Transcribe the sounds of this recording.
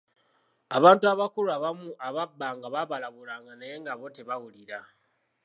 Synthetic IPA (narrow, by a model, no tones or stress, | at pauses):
aβaːntuaβakuɾuaβamuaβabːaːŋɡaβaβalaβulaːŋɡanaje̞ŋɡaβoteβaɣuliɾa